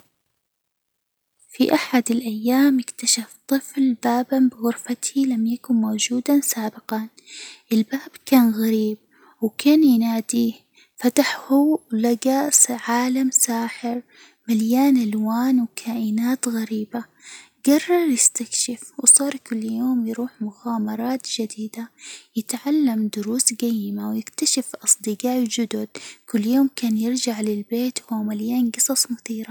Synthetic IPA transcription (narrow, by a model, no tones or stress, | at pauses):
fiʔaħad̪ɪlʔajːaːmɪkt̪aʃaft̪ˤɨflbaːbanbɪɣʊɾfat̪ʰilamjakʊnmowd͡ʒuːd̪asaːbɪqɑn | ʔɪlbaːbkaːnɣaɾiːb̚ | wkʰaːnjɪnaːd̪i | fat̪aħhulaɡasʕaːlamsaːħɪɾ | maljaːnʔalwaːnwkʰaːʔɪnaːt̪ɣaɾiːba | ɡɑrˤːɑɾˤjɪst̪akʃɪfwsˤɑːɾˤkʊlːjoːmjɾuːħmʊɣaːmɑɾˤɑːt̪d͡ʒad̪iːd̪ajɪt̪ʕalːamd̪ʊɾuːsɡajːɪmawjɪkt̪aʃɪfʔɑsˤd̪ɨɡɑːʔd͡ʒʊd̪ʊd̪̥kʊlːjoːmkaːnjɪɾd͡ʒaʕlɪlbeːt̪whuwmaljaːnɡɨsˤɑsˤmʊθiːɾa